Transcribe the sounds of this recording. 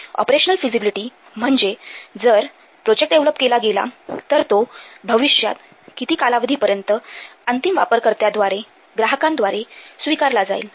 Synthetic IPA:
ɔ̰pɾeɕənəlfizibiliʈiː | m̤əɳd͡zed͡zəɾ | pɾod͡ʑek̚ʈɖeʋləpkelaɡela̰t̪əɾt̪obʱəʋiɕja̰t̪ | kit̪iːkalaʋəd̪ʱipəɾjənt̪əənt̪imʋa̰pəɾkəɾt̪jad̪ʋaɾe | ɡɾaɦəkãnd̪ʋaɾesʋikaɾlad͡za̰ḭl

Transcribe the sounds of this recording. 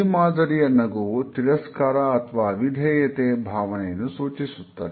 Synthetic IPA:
imaːd̪ɐɾijɐnːɐɡoːt̪iɾɐskaːɾaɐt̪ʰʋaːʋid̪ʱɛːjɐt̪eːbʱaːʋɐneːnusuːt͡ʃisut̪ːɐ̰ːd̪i

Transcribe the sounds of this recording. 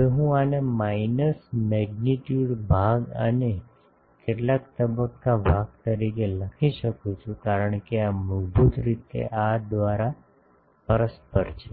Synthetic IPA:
eɦũanemainəsmɛɡniʈjuɖbʱaɡə̰ne | keʈlakt̪əbəkːaʋʱak̚t̪əɾikeləkʰiʃəkũt͡ʃʰũkaɾəɳ̃keaməd͡ʒbut̪ɾit̪ḛʔad̪ʋaɾa | pəɾəspəɾt͡ʃʰe

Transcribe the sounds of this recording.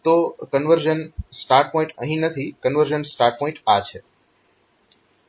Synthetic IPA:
t̪okənʋəɾd͡ʒənsʈaɾʈ̚pɔ̃ĩɳʈə̰̃ɦĩnət̪ʰikənʋəɾd͡ʒənsʈaɾʈ̚pɔɪ̃ɳʈat͡ʃʰe

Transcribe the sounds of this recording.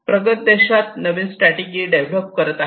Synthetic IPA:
pɾəɡət̪̚d̪eɕʋat̪̚nəʋinsʈɾaʈid͡ʑiɖeʋlop̚kəɾət̪a

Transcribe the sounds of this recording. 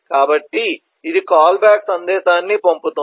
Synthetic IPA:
kaːbɐʈːi | id̪ikaːlbjaːksɐnd̪ɛːʃaːnːipomput̪u

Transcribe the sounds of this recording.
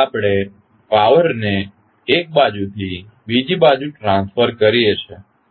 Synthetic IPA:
apɽ̃e | paʋəɾne | ek̚bad͡ʒut̪ʰi | bid͡ʒibad͡ʒuʈɾãnsfəɾkəɾijet͡ʃʰe

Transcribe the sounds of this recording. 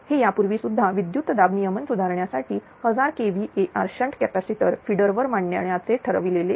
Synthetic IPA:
hejapuɾʋiːsud̪ʱːaʋid̪jut̪d̪abnijəmənsud̪ʱaɾɳjasaʈiː | həd͡zaɾkeʋiʔeʔaɾɕəɳʈkæpæsiʈəɾfiɽəɾʋəɾmaɳɳja̰ɳjat͡seʈʰəɾəʋilele

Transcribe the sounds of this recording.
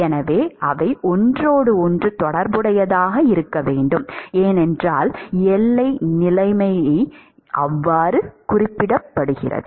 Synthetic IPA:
ɛnɐʋeːɐʋɐɪʔɔndroːɽɯɔndrɯt̪ɔɽɐɾbɯɽɐjɐðaːɣɐɪɾɯkːɐʋeːɳɖɯmeːnɛndraːlɛlːɐɪnɪlɐɪmɐjɐɪ | ʔɐʋːaːɾɯkʊrɪpːɪɽɐpːɐɽɯɣɪ̰rɐ̰ðɯ

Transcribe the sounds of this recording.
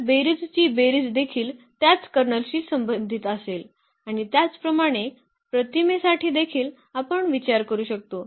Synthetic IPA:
beɾid͡zt͡ɕiːbeɾid͡zd̪ekʰiːlt̪jat͡skəɾnəlɕiːsəmbənd̪ʱit̪əsel | aɽ̃it̪jat͡spɾəmaɽ̃e | pɾət̪imesaʈʰiːd̪ekʰiːl | apəɳʋit͡ɕaɾkəɾuːɕək̚t̪o

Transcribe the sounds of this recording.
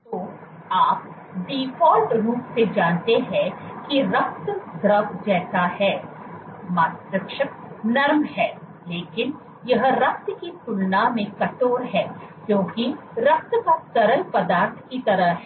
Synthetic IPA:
t̪oː | aːp̚ | ɖiːfɔːlʈɾuːpsed͡ʒaːnt̪eɦɛ̃kiɾɐk̚t̪d̪ʱɾɐʋd͡ʒɛːsahɛː | maːt̪ɾəkʃək̚nɐɾmɦɛː | leːkɪn | jɐɦɾɐk̚t̪kit̪ʊlnamẽkɐʈoːɾɦɛːkjõːkiɾɐk̚t̪kasɐɾəlpɐd̪aːɾt̪ʰkit̪ɐɾəɦɦɛ

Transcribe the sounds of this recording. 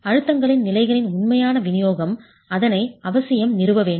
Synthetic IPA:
ɐɻɯt̪ːɐŋɡɐɭɪnnɪlɐɪɣɐɭɪnʊnmɐjaːnɐʋɪnɪjoːɣɐm | ɐðɐnɐɪɐʋɐsɪjɐmnɪrɯʋɐʋeːɳ

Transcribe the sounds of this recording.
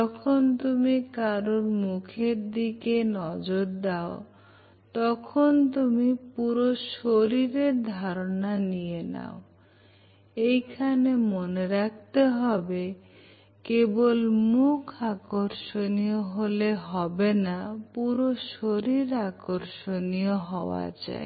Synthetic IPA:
ɔkʰont̪umikaɾoɾmukʰeɾd̪ikenɔd͡ʒoɾd̪ao | t̪ɔkʰont̪umipuɾoʃoɾiɾeɾd̪ʱaɾonanijena̰o | ejkʰanemoneɾakʰt̪eɦɔbe | kebolmukʰakoɾʃonijoɦoleɦɔbenapuɾoʃoɾiɾakoɾʃonioɦɔoa̰d͡ʒa̰ḛ

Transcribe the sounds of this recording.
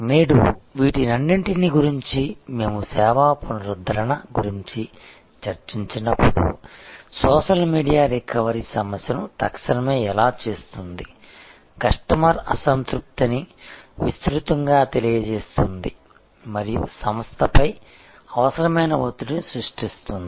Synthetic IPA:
meːɽṵʋiːʈinɐɳːiɳʈiniɡuɾiɲt͡ʃime̞ːmusɛːʋaːponɐɾud̪ʱɐɾɐnɐɡuɾiɲt͡ʃi | t͡ʃɐɾt͡ʃiɲt͡ʃinɐpːuɽṵsɔːʃɐlmiːɖijaːɾekʰːɐʋɐɾisɐmɐsjɐnut̪ɐkʃɐnɐmeːɛlaːt͡ʃeːst̪und̪i | kɐʂʈɐmɐɾɐ̰sɐnt̪ɾuk̚t̪ɐniʋist̪ɾut̪ɐŋɡaːt̪e̞lijɐd͡ʒeːst̪und̪i | mɐɾijṵsɐmʋɐst̪ʰɐpɐj | ɐʋɐsɐɾɐmɐjnɐʋɐt̪ːununisɾuʂʈist̪und̪i

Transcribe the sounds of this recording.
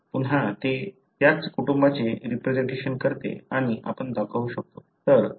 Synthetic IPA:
puɳ̃ɦat̪e | t̪jat͡skuʈumbat͡ɕeɾipɾed͡ʑeɳʈeɕənkəɾt̪ḛaɽ̃iʔapəɳd̪akʰaʋuɕək̚t̪o | t̪əɾ

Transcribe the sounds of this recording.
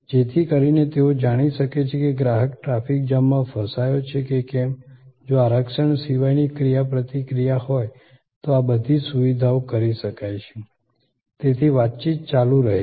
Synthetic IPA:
d͡ʒet̪ʰikəɾinet̪eod͡ʒaɽ̃iʃəket͡ʃʰekeɡɾaɦəkʈɾafik̚d͡ʒəmːãfəsajot͡ʃʰekekɛmd͡ʒoaɾəkʃəɳsiʋajnikɾijapɾət̪ikɾijahoj | t̪oabəd̪ʱisuʋid̪ʱaokəɾiʃəkajʃʰe | t̪et̪ʰiʋat̪̚t͡ʃit̪̚t͡ʃalũɾəɦe

